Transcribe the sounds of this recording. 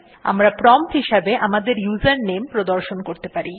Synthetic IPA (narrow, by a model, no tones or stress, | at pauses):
a̰mɾapɾɔmt̪ɦiʃabeʔamad̪eɾjuzaɾnempɾod̪oɾʃonkoɾt̪epaɾi